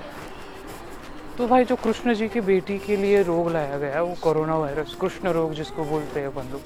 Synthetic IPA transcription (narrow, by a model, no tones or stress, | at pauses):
t̪obʱaːid͡ʒoːkɾʊʃnəd͡ʒiːkibeːʈikelieɾoːɡlaːjaɡɐjaɦɛʋokoːɾoːnaʋaːɪɾəskɾʊʃnəɾoːɡd͡ʒɪskoboːlt̪eɦɛbɐ̃nd̪oː